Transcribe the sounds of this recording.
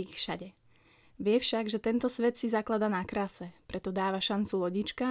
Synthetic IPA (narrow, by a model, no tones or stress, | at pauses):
ixfʃaɟɛ | ʋɪɛfʃaɡʒɛt̪ɛnt̪ɔsʋɛt̪sizaklad̪anakɾasɛpɾʔɛt̪ɔd̪aːʋaʃant͡sulɔɟit͡ʃka